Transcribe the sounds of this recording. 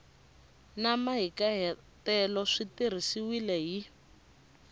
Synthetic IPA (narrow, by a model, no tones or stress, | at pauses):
namaɦikaɦɛ | tɛlɔʂitir̤isiwilɛɦi